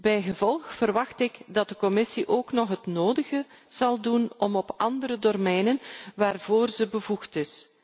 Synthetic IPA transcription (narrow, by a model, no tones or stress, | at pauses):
bɛjɣəvɔlˠxfərʋɑxtɪɡdɑt̚dəkɔmɪsiʔoːknɔχɦətnoːdəɣə | z̥ɑlˠdunɔmɔpɑndəɾədɔrmɛjnənʋaːrvoːrzəbəvuxtɪs